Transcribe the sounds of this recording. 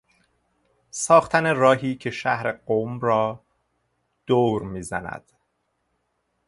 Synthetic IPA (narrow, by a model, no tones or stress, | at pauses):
sɒːxt̪ʰæne̞rɒːɦiːcʰe̞ʃæhɾe̞ɢomɾɒː | d̪̥oɾmiːzæ̰næ̰d̪̥